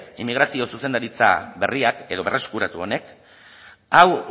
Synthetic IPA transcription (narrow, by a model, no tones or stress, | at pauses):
simːiɣɾasio̞suse̞nd̪aɾit͡sa̰βe̞riake̞ðo̞βe̞rʔeskuɾat̪uo̞ne̞k | aw